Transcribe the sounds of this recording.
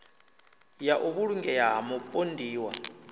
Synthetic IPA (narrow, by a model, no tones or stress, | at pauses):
jaʔuβuɺuŋɡɛjaɦamɔpʼondʱiːwa̰